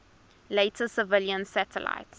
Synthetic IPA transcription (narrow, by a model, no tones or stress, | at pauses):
leɪtʰəsəvɪljə̃nsætʰə̰la̰ɪts